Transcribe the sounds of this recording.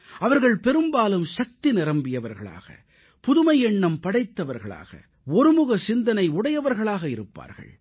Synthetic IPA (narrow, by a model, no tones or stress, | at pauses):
ɐʋɐɾɣɐɭpɛɾɯmbaːlɯmʃɐk̚t̪inɪɾɐmbɪjɐʋɐɾɣɐ̰ɭa̰ːɣɐ̰ | pʊðɯmɐjɛɳːɐmpɐɽɐɪt̪ːɐʋɐɾɣɐ̰ɭa̰ːɣɐ̰ | ɔɾɯmʊɣɐsɪnd̪ɐnɐɪʊɽɐjɐʋɐɾɣɐɭaːɣɐɪɾɯpːa̰ːɾɣɐ̰ɭ